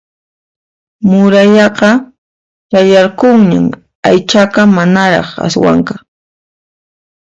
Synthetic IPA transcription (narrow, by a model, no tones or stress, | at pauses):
mʊɾajɑqɑ | t͡ʃajɑɾqoŋɲa̰m | ajt͡ʃakamanaɾɑ̰χa̰swa̰ŋka